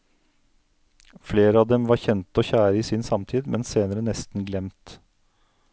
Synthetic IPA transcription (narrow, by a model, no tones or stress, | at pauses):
fleːɾəɑːʋd̪ɛmʋɑɾçɛnt̪oːçæːɾəiːsɪnsɑmt̪ʰiːd̪mɛnseːnəɾənɛst̪n̩ɡlɛmt̪